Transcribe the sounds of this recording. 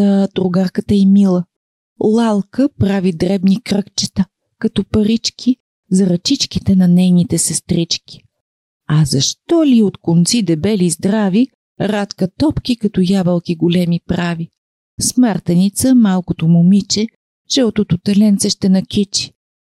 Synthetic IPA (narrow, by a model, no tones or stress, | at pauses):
d̪ɾʊɡaɾkət̪əimilˠə | lˠalˠkəpɾavid̪ɾɛbnikɾɤkt͡ʃɛ̥t̪ə | kɐt̪ɔpɐɾit͡ʃkʰʲi | zɐɾɐt͡ʃit͡ʃkit̪ɛnɐnɛjnit̪ɛsɛst̪ɾit͡ʃkʲi̥ | ɐzɐʃt̪ɔliot̪kont̪sid̪ɛbɛlizd̪ɾavi | ɾat̪kət̪ɔpkʲikɐt̪ɔjabɐlˠkʲiɡʊlɛmipɾavi | smaɾt̪ɛnit̪səmalˠkʊt̪omʊmit͡ʃɛ | t͡ʃɛot̪ot̪ʊt̪ɛlɛnt̪sɛʃt̪ɛnɐkʲit͡ʃi̥